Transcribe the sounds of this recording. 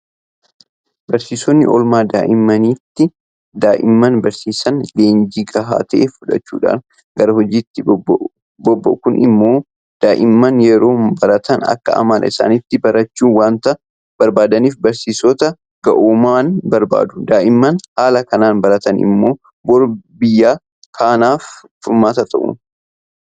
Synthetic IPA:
bɐɾsiːsɔnːɪ̰ʔɔlmaːd̪a̰ːʔɪmːɐniːt̪ːɪ | d̪aːʔɪmːɐnbɐɾsiːsɐnleːnd͡ʒiːɡɐɦa̰ːt̪ɐʔḛːfʊᶑɐ̰t͡ʃːṵːᶑa̰ːn | ɡɐɾɐhɔd͡ʒiːt̪ːɪ | bɔbːɐ̰ʔkʊnʔɪ̰mːo̞ː | d̪̥aːʔɪmːɐnjɛɾo̞ːbɐɾɐt̪ʰɐnɐ̰kːɐɐ̰maːnɪsa̰ːnɪt̪ːɪbɐɾɐt͡ʃːuːnwaːnt̪ɐ | b̥ɐɾbaːd̪ɐniːfbɐɾsiːsɔt̪ɐ | ɡ̥ɐ̰ʔoːmaːnbɐɾba̰ːd̪ʊ̥d̪aːʔɪmːɐnhaːlɐkɐnaːnbɐɾɐt̪ɐnɪ̰mːo̞ː | bɔɾbɪjːaː | kʰaːnaːffʊɾmaːt̪ɐt̪ʰɐʔʊ̰

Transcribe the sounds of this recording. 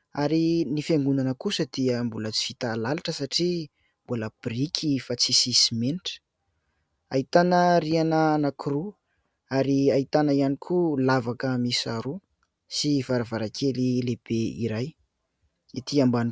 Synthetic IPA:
aɾinifeŋɡunanəkusəd̪̥iəmbulət͡si̥fit̪alalaʈ͡ʂəsaʈ͡ʂi | mbuləb̥rikʰifat͡sisisimeniʈ͡ʂə̥ | ait̪anərianəanakʰɾu | aɾiait̪anəianikʰulavakəmisaɾu | sivaɾavaɾakʰelileb̥eḭɾaj | it̪iamban

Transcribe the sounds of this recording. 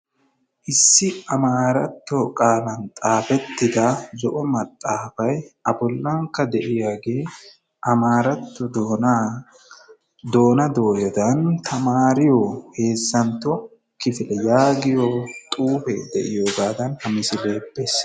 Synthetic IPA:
ʔɪsːɪɐmaːɾɐt̪ːɔkʼaːlɐnt̪ʼaːfɛt̪ːɪd̪ɐzɔʔɔmɐt̪ʼːaːfɐjɐbɔlːɐŋkːɐd̪ɛʔɪjaːɡe̞ː | ʔɐmaːɾɐt̪ːɔd̪n | d̪o̞ːnɐd̪o̞ːjɔd̪ɐnt̪ʰɐmaːɾɪjohe̞ːsːɐnt̪ːɔ | kɪfɪlɛjaːɡɪjoːt̪ʼuːfɛd̪ɛ̰ʔɪjoːɡaːd̪ɐnhɐmɪsɪleːbːes

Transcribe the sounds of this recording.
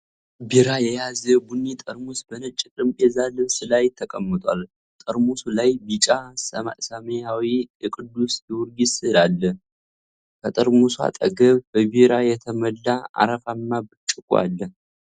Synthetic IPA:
biɾajɛjazəbunːet̪ʼəɾmusbənət͡ʃʼːit̪ʼɨmpʼezalɨβsɨlajɪt̪ʰːəkʼəmːət̪ʼa̰l | t̪ʼəɾmusulajbit͡ʃʼasəasəməjawiɛkʼɨd̪ːusjɛwʊɾɡisɨlalːə | kʰət̪ʼəɾmuswa̰t̪ʼə̰ɡəβbəbiɾajɛt̪ʰəməlːaa̰ɾəfamːabɨt͡ʃʼːɨkʼwa̰lːəh

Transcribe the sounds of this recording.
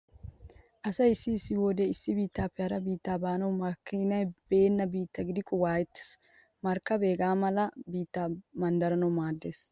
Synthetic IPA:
ʔɐsɐjɪsːɪsːɪwoːd̪eɪsːɪbiːt̪ːaːpːɪjaɾɐbiːt̪ːaːbaːnɐwmɐkːɪnɐjb̥e̞ːnːɐbiːt̪ːɐɡɪd̪ɪkʼʊwaːjɛt̪ːe̥s | mɐɾkːɐbe̞ːɡaːmɐlɐbiːt̪ːaːmɐnd̪ɐɾɐnɐwmaːd̪ːe̞ːs

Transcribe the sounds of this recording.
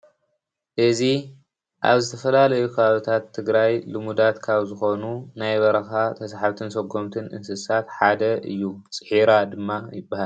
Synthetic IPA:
ʔɨzi | ʔa̰βzɨt̪ʰɐfɐlalɐjukʰɐβaβit̪ʰat̪ʰːɨɡɾajlɨmud̪at̪kʰaβzɨxo̞nunajβɐɾɐxat̪ʰɐsaħaβt̪ʰɨnsɐɡo̞mt̪ʰɨnʔɨ̰nsɨsat̪ħad̪ɐʔɨ̰jːut͡sʼɨħiɾad̪ɨmːajɪbːahal

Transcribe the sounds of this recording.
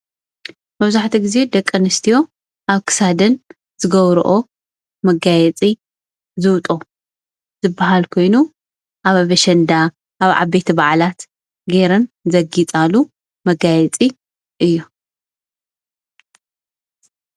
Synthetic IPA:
mɐβzaħt̪ʰiɡɨze̞d̪ɐkʼːɨnɨst̪ʰijo̞ | ʔaβkʰɨ̥sad̪ɐn | z̥ɨɡɐβɾ̰ʔo | mɐɡajɛt͡sʼi | zɨwt̪ʼo | z̥ɨbːaɦalkʰo̞jnu | ʔaβaβɐʃɐnd̪a | ʔaβʕa̰βet̪ʰibaʕlat̪ | ɡeɾɐnzɐɡit͡sʼalu | mɐɡajɛt͡sʼi | ʔɨjːu

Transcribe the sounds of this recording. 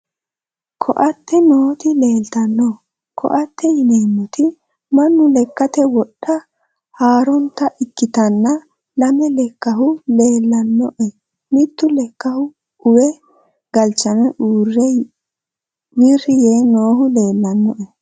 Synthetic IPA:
kʰɔʔɐt̪ːɛnoːt̪ɪle̞ːlt̪ɐnːɔ | kʰɔ̰ʔɐt̪ːɛɪneːmːɔt̪ɪ | mɐnːʊlɛkːɐt̪ɛwɔɗːɐ | haːɾɔnt̪ːɐʔɪkːɪt̪ɐnːɐ | lɐmɛlɛkːɐɦʊle̞ːlːɐnːɔʔɛ | mɪt̪ːʊlɛkːɐhʊ | ʊwɛ | ɡ̥ɐlt͡ʃːɐmɛʔuːrːɛ | wirːɪjeːnoːɦʊle̞ːlːɐnːɔʔɛ

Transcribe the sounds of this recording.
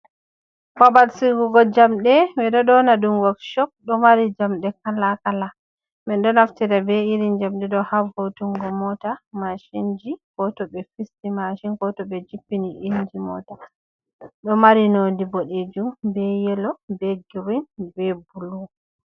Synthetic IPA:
fabalsiɡuɡɔd͡ʒamɗɛwɛɗɔɗɔnadumɡɔkʃɔk̚ɗɔmaɾid͡ʒamɗɛkalakala | mɛnɗɔnaftiɾɛbɛiɾind͡ʒamɗɛɗɔhavotuŋɡɔmɔtamaʃind͡ʒiɡɔtɔbɛfistimaʃinɡɔtɔbɛd͡ʒipːiniʔind͡ʒimɔ̰ta | ɗɔmaɾinodiboɗed͡ʒumbɛjɛlɔbɛɡiwinbɛbulu

